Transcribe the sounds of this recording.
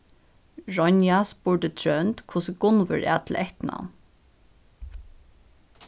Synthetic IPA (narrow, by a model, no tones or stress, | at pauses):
ɹɔnjaspʊɹɖət̪ʰɹœnt̪kʰʊsəɡʊnʋə̰ɹæ̰ːt̪ʰl̩ʔɛht̪na̰ʊn